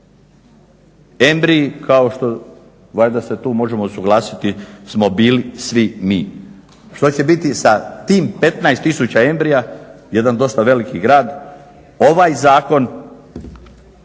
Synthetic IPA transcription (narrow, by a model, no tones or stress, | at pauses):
e̞mbɾiikʰao̞ʃt̪o̞ | ʋad̪aset̪uːmo̞ʒemo̞suɡlˠaːsit̪ismo̞biːlisʋimiː | ʃt̪o̞t͡ɕe̞bit̪isat̪iːmpe̞t̪naest̪ːisut͡ɕae̞mbɾijaje̞d̪and̪o̞st̪aʋe̞likiɡɾaːd̪ | o̞ʋajzaːko̞n